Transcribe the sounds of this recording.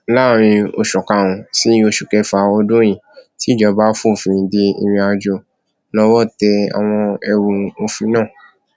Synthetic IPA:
la˦˨ɾ̃ĩ˧o̰˨ʃɔ˨ka˨wũ˨si˨˦o˦ʃu˨kɛ˦fa˨˦ɔ˧dõ˦j̃ĩ˨ti˨˦˨d͡ʒɔ˧ba˦fũ˦˨fĩ˨ĩ˨de˧ḭ˧˨mĩ˧a˧d͡ʒo˧˨ | lɔ˧wɔ˦˨tɛ˧a̰˨w̃ɔ̃˧ɛ˧wũ˧o˧fĩ˧˦nãː˦˨

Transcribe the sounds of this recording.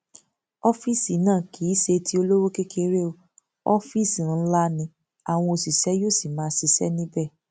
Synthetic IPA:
ɔ˦fi˦˨si˨nãː˦˨kʰi˨˦ʃe˧tʰi˦o˧lo˦wo˦ke˦kʰe˧ɾe˦o˨ | ɔ˦fi˦˨si˨˧˦la˦nĩ˧ | a˨w̃ɔ̃˧o˧˨si˨sɛ˨˦jo˦˨si˨mãː˨˦si˧sɛ˦nĩ˦bɛ˦˨

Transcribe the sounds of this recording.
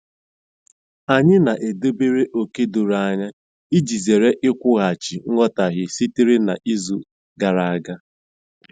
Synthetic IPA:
a˨ɲɪ˦na˨ʔe˨do˦be˦ɾe˦ʔo˨ke˦du˨ɾa˨a˦˨ɲa˦ | i˦d͡ʒi˨ze˨ɾe˦ʔɪ˦kʷʊ˦ɣa˨t͡ʃɪ˨ŋ̩˦ŋɔ˦ta˨ɣɪ˨si˦ti˦ɾɪ˦na̰˨ʔi˦zu˦ | ɡa˨ɾa˨a˦˨ɡa˦

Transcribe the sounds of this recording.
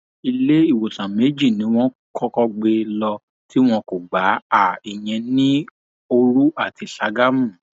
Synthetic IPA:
i˧le˦i˦˨wo˨tã˨me˨˦d͡ʒi˦˨nĩ˨˦w̃ɔ̃˦ | kɔ˦kɔ˦ɡ͡be˧lɔ˧ | ti˦w̃ɔ̃˧ko˨ɡ͡ba˨˦a˨i˨j̃ɛ̃˧nĩ˦ | o˧ɾu˦a˦˨ti˨˧sa˧ɡa˦mũ˦˨

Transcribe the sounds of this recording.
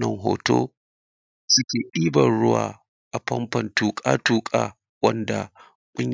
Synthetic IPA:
nɐ˨ŋɦoː˨toː˦ | sʊ˦kʲeː˨ʔiː˦bɐ˨ɽʊ˦wa̰ː˨ | ʔa˨ɸɐ˦mɸɐ˨ntuː˨kʼaː˦tuː˨kʼaː˦˨ | wɐ˦nda˨ | kʷʼʊ˦ɲ

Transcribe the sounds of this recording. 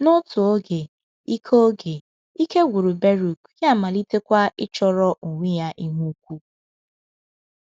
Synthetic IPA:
nʊ˦tʊ˨o˦ɡe˨ | i˦kʰo˦ɡe˨ | i˦ke˦ɡʷu˨ɾu˨be˦ɾu˨kja˦˨ma˨li˦te˦kʷa˦ɪ˦t͡ʃɔ˦ɾɔ˦ʔu˨ŋʷi˦ja˦ʔi˦ɦu˦kʷu˦

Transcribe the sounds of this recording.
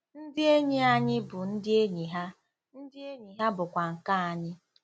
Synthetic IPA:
n̩˦dɪ˦e˦ɲi˦a˦ɲɪ˦bʊ˨n̩˦dɪ˦e˦ɲi˨ɦa˦ | n̩˦dɪ˦e˦ɲi˨ɦa˦bʊ˨kʷa˨ŋ̩˨ka˦a˨ɲɪ˦

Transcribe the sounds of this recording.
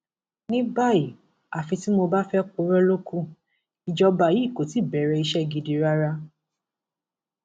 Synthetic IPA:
nĩ˦ba˦˨i˨ | a˨fĩ˧ti˦mo˧ba˦fɛ˦k͡po˧˦ɾɛ˦lo˦kũ˦ | i˨d͡ʒɔ˧ba˧˨ji˨˦˨ko˨ti˨˦˨bɛ˨˦ɾɛ˧i˧ʃɛ˦˨ɡi˧di˧ɾa˦ɾa˦

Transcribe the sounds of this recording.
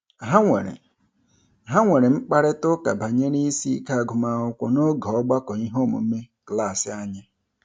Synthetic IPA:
ɦa˦ŋʷḛ˨ɾḛ˨ | ɦa˦ŋʷe˨ɾe˨ŋ͡m̩˦k͡pa˦ɾɪ˦tʊ˦ka̰˨ba˨ɲe˦ni˦si˦ka˦a˨ɡʊ˨ma˦ʊ˦kʷɔ̰˨no˦ɡɔ˦ɡ͡ba˦kɔ˨i˦ɦo˦˨mṵ˨m̩˦me˦kla˦˨sɪ˨a˦ɲɪ˦

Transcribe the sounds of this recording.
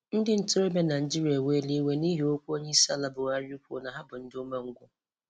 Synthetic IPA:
n̩˦dɪ˦n̩˦tʊ˦ɾe˦me˦na˨n̩˨d͡ʒi˦ɾi˨˦a˨we˦li˦we˦ni˦ɦi˨o˦kʷu˦o˦ɲe˦sa˦˨la˦bʊ˨a˦ɾju˦ko̰˨na˨ɦa˦bʊ˨n̩˦dɪ˦ʊ˦me˦ŋ̩˦ɡʷʊ˦

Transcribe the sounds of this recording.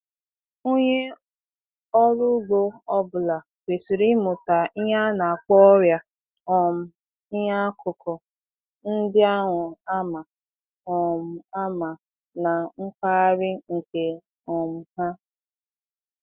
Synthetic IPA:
o˦ɲe˦ | ɔ˦ɾʊ˦ɡ͡bo˦ɔ˦bʊ˨la˨ | kʷe˨si˨ɾi˦mʊ˨ta˨i˦ɦa˦na˨a˨k͡pɔ˦ɔ˦ɾja˦ | ɔ˨m̩˨ | ɪ˦ɦa˦kʊ˨kʰɔ˨ | n̩˦dɪ˦a˦ŋʷʊ˨a˦ma˨ | ɔ˨m̩˨a˦ma˨ | na˨ŋ̩˦k͡pa˦a˦ɾɪ˦ŋ̩˨ke˨ | ɔ˨m̩˨ha˦

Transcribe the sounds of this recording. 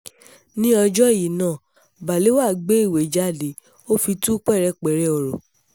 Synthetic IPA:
nĩ˦ɔ˧d͡ʒɔ˦˨ji˨nãː˦˨ | ba˨le˨˦wa˦˨ɡ͡be˦i˦˨we˨d͡ʒa˦˨de˨˦ | o˦fi˧tu˦k͡pɛ˦˨ɾɛ˦˨k͡pɛ˨˦ɾɛ˦ɔ˨ɾo˨

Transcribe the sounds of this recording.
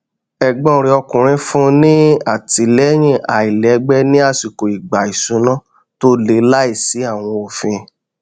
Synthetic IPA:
ɛ˨ɡ͡bɔ̃˦˨ɾ̃ĩ˧˦ɔ˧kũ˨ɾ̃ĩ˧˦fũ˦nĩ˦a˦˨ti˨˦˨lɛ˦j̃ĩ˦˨a˨i˨lɛ˨˦ɡ͡bɛ˦nĩ˦a˦˨si˨ko˨i˨ɡ͡ba˨i˨sũ˨˦nɔ̃˦ | to˦le˨˦la˦i˦˨si˨˦a˦˨w̃ɔ̃˧o˨fĩ˧

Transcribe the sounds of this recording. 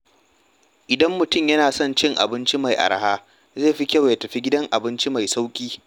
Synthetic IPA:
ʔɪ˨dɐ˦mːʊ˨tʊ˦˨mjɐ˦naː˨sɔ˦˨nt͡ʃɪ˦ŋʔa̰˨bɪ˦nt͡ʃi˦ma˨jʔa̰˨ɾɐ˦haː˦ | zeː˦˨ɸi˦kʲɐ˦˨wja˨tɐ˨ɸi˦ɡʲɪ˦dɐ˦ŋʔa˨bɪ˦nt͡ʃi˦ma˨jsa˦wkʲʼiː˦

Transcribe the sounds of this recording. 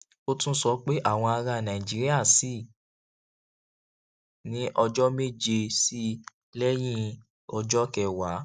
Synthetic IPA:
o˧tũ˦sɔ˧˦k͡pe˦ʔa˦˨w̃ɔ̃˧a˧ɾa˧˨nã˨ĩ˨d͡ʒi˨˦ɾi˦a˦˨si˦˨ | nĩ˨˦ʔɔ˧d͡ʒɔ˦me˦˨d͡ʒe˧si˦ | lɛ˦j̃ĩ˦ | ɔ˧d͡ʒɔ˦kɛ˦˨wa˨˦

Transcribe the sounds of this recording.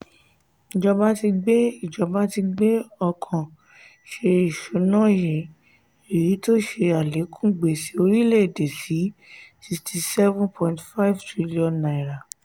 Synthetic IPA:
i˨d͡ʒɔ˧ba˧˦ti˧ɡ͡be˦i˦˨d͡ʒɔ˨˦ba˦ti˧ɡ͡be˦ɔ˧kʰã˨ | ʃe˧i˨ʃu˨˦nã˦˨jɛ˨ | e˨ɾi˨˦to˦ʃe˧a˨le˨˦kʰũ˦ɡ͡be˨si˨˦o˧ɾi˦le˦˨de˨si˨˦si˧ksti˨sɛ˦vũ˦npʰɔ̃˧ĩntfa˦i˦vtɾi˦li˦ɔ̃˧nːã˨i˨ɾa˨

